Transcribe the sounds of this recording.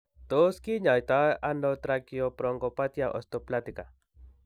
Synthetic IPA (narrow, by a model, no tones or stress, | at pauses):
t̪oskiɲajt̪aʔanot̪ɾakiopɾoŋɡopat̪jaʔo̰st̪oplat̪ika